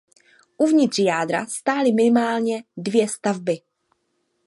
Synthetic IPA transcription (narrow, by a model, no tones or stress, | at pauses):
ʔuvɲɪt̪r̥jaːdɾa̰st̪aːlɪmɪnɪmaːlɲɛdvjɛst̪avbɪ